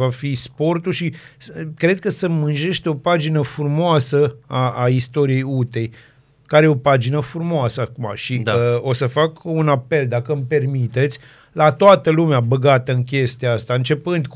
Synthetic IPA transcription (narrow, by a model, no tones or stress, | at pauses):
vafispo̞rt̪uʃikɾe̞d̪̚kəsəmɨnʒe̞ʃt̪eo̞pad͡ʒinəfuumoasəaʔaist̪o̞ɾije̞jut̪e̞j | kaɾeeo̞pad͡ʒinəfɾumoasəakuma̰ʃid̪ao̞səfakunape̞ld̪akəmpe̞rmit̪e̞t̪sʲ | lat̪oat̪əlumeabəɡat̪əɨnkʲe̞st̪iaast̪aɨnt͡ʃe̞pɨnd̪k